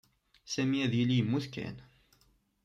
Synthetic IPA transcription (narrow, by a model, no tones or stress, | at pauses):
sæmiæðjilːijəmːuθkæ̰n